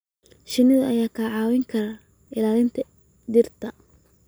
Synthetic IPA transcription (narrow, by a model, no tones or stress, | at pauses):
ʃɪnɪðɐʔɐjaːkʰaːʕɑːwɛŋkʰɐɾɐ | ʔɪlaːlɪnt̪ʰɐ | d̪ɪrt̪ʰɐ